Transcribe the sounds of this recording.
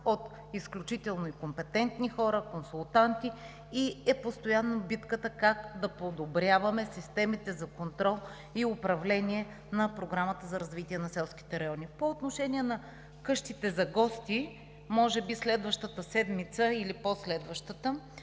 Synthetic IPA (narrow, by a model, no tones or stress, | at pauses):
ot̪ | isklʲut͡ʃit̪ɛlˠnoikompɛt̪ɛnt̪nixɔɾəkonsulˠt̪ant̪iː | ɛpost̪ojanːobit̪kət̪əkakd̪ɐpod̪obɾʲavɐmɛsist̪ɛmit̪ɛzɐkont̪ɾɔlˠ | iʊpɾɐvlɛnʲiɛ | nɐpɾoɡɾamət̪əzɐɾɐzvit̪iɛnɐsɛlˠskʲi̥t̪ɛɾɐjɔnipoːt̪noʃɛniɛnɐ | kɤʃt̪it̪ɛzɐɡɔst̪i | mɔʒɛbislɛd̪vəʃt̪ət̪əsɛd̪mit̪səiliposlɛd̪vəʃt̪ət̪ə